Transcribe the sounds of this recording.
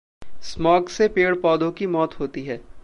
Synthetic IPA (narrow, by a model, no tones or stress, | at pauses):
smɔːksepeːɽpɔːd̪õkimɔːt̪ɦoːt̪iɦɛː